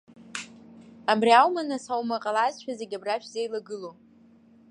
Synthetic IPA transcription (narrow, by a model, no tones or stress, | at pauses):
abriawmanasawmaqʼalazʃᶣazeɡʲabraʃᶣzejlaɡɨlo